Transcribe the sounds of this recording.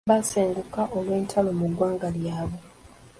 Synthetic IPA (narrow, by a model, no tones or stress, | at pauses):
baseːŋɡukaʔolweːntʰalo̞muɡwaːŋɡaljaːβe